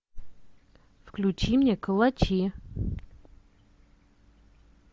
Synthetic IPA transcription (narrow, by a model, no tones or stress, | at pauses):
fklʲut͡ɕimnʲɛkəlˠɐt͡ɕi